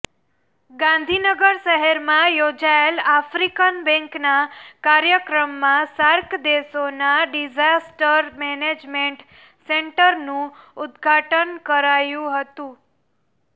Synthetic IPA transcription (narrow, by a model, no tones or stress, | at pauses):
ɡãnd̪ʱinəɡəɾʃəɦɛɾmãjod͡ʒaelafɾikənbɛ̃ŋknakaɾjəkɾəmːãsaɾkd̪esonaɖid͡ʒasʈəɾmɛned͡ʒmeɳʈ | seɳʈəɾnũʊd̪ɡʱaʈənkəɾajũɦət̪ũ